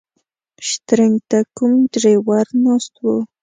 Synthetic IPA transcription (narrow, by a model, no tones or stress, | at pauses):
ʃt̪ɾɪŋɡt̪akʊmdɾewaɾnost̪wo